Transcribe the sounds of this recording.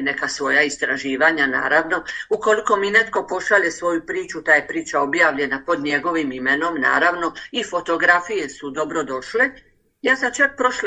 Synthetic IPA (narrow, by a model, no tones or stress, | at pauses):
ne̞kasʋo̞jaist̪ɾaʒiːʋaɲana̰ːɾaʋno̞uko̞liko̞mine̞t̪ko̞po̞ʃaʎe̞sʋo̞jupɾiːt͡ʃut̪ajepɾiːt͡ʃao̞bjaːʋʎe̞napo̞d̪ɲe̞ɡo̞ʋimime̞no̞mna̰ːɾaʋno̞ifo̞t̪o̞ɡɾafije̞sud̪o̞bɾo̞d̪o̞ʃle | jaːsat͡ʃak̚pɾoʃl